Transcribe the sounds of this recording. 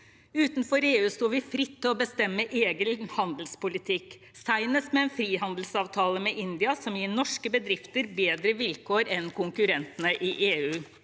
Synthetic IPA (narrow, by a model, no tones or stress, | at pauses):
ʉːt̪nfɔɾeːʉːst̪uːʋɪfɾɪt̪ʰːɪlɔbəst̪ɛmːəʔeːɡəlhɑnd̪lspʊlɪt̪ʰɪk | sæɪnəsmɛɛnfɾiːɦɑnd̪l̩sɑːʋt̪ʰɑːləmɛʔɪnd̪ɪɑsɔmjiːɳɔʂkəbəd̪ɾɪft̪əɾbeːd̪ɾəʋɪlkʰoːɾɛnkʰʊŋkʉɾɛnt̪ənəʔɪʔeːʉː